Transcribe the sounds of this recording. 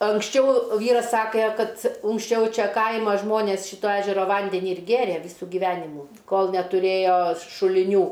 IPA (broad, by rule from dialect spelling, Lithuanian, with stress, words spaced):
ɐŋksʲˈt͡ʃʲɛʊ ˈʋʲiːrɐs ˈsɑːkʲeː ˈkɐt ʊŋksʲˈt͡ʃʲɛʊ ˈt͡ʃʲɛ ˈkɐɪmɐ ˈʒmoːnʲeːs ˈʃʲiːtoː ˈæːʒʲɛroː ˈʋɐnʲdʲɛnʲɪ ɪr ˈɡʲeːrʲeː ˈʋʲiːsʊ ɡʲiːˈʋʲæːnʲɪmuː ˈkoːlˠ nʲɛtʊˈrʲeːjoː ʃʊlʲɪˈnʲuː